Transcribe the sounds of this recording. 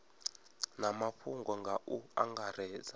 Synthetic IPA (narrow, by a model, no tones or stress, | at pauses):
namaɸʰuŋɡɔŋɡaʔua̰ŋɡaɾɛːza